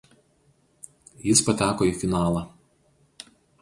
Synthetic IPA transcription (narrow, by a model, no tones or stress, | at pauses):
jɪspɐt̪ʲæːkoːiːˑfʲɪnɑːlˠɑ